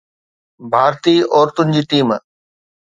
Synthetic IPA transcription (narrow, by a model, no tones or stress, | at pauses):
bʱaːɾt̪iːɔːɾt̪ʊnɪ̆d͡ʑiːʈ̪iːm